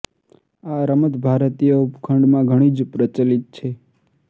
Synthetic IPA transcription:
aɾəmət̪bʱaɾt̪ijəupkʰəɳɖmãɡʱəɽ̃id͡ʒpɾət͡ʃəlit̪̚t͡ʃʰe

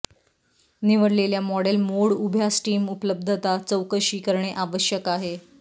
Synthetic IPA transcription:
niʋəɽleljamɔɽelmoɽubʱjasʈiːmupələb̚d̪ʱət̪at͡səwkəɕiːkəɾɳeʔaʋəɕjəkaɦe

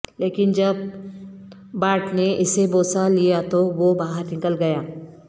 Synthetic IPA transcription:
leːkɪnd͡ʒɐb̚ | aːʈneʔɪseboːsalijat̪oʋobaːɦəɾnɪkəlɡɐjaː

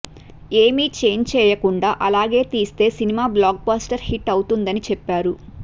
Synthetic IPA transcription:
eːmiːt͡ʃe̞ːnt͡ʃɛːjɐkuɳɖaːʔɐlaːɡe̞ːt̪iːst̪e̞ːsinimaːblaːɡ̚baːsʈɐɾhiʈːɐwt̪und̪ɐnit͡ʃɛpːaːɾu

